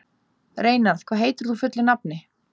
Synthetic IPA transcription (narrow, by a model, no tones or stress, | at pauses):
ɾeːjnaθkʰvaːðɦeːjt̪ʏɾðufʏt̪lɪnapnɪ